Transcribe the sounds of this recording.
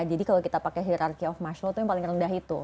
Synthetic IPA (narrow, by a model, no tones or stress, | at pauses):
d͡ʒadikalokit̪apakɛɦiɾarkiaɔfmaʃɾot̪ujaŋpalɪŋrəndaɦit̪u